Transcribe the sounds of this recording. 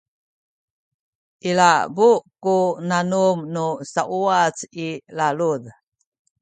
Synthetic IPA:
ʔilabukunanumnusaʔuat͡silaluð

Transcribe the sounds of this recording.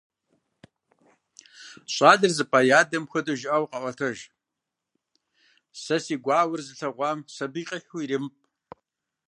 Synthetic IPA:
ɕʼɑːdɨrzɨpʼaːjaːdɐmxʷɐdɨʒɪʔɐwqɐʔʷɐtʰɐʒ | sɐsiːɡʷɑːwʊrzɨɬɐʁʷɑːmsɐbiːqʼiħuirɨmpʼ

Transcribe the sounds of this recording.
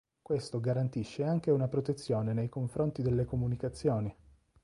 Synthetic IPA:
kwest̪oɡaɾant̪iʃːeaŋk̟eunapɾot̪et̪sːjoːnenejkoɱfɾont̪id̪elːekomunikat̪sːjoːni

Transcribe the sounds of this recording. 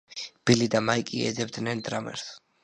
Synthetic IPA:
b̥ilid̪amaikʼiɛ̰d̪zɛbd̪nɛnd̪ɾamɛ̰ɾs

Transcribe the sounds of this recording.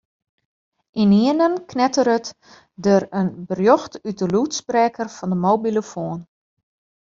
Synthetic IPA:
ʔiniənənknɛtəɾət | dəɾənbərjɔxtyt̚dəlutsprɛːkərfɔndəmoːbiləfoːən

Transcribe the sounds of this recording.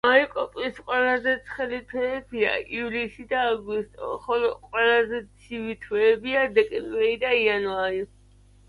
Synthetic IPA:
maikʼɔpʼlisqʼwɛlazɛt̪sʰχɛlit̪ʰwɛːbia̰ivlisid̪aːɡist̪ʼɔ̰χɔlɔqʼwɛlazɛt̪sʰivit̪ʰwɛːbiad̪ɛkʼɛmbɾɛɾid̪aianaɾi

